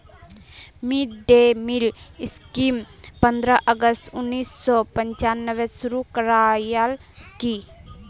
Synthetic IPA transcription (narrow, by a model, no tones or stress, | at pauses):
mid̪emilɪskimpənd̪ɾaʔəɡəstʊnːiːsːɔpəɲt͡ʃanːəʋesuɾukəɾajal | ki